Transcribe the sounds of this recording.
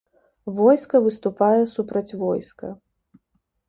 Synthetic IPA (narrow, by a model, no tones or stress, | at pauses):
vɔjskɐvɨst̪upajɛsupɾɐt͡sʲvɔjskɐ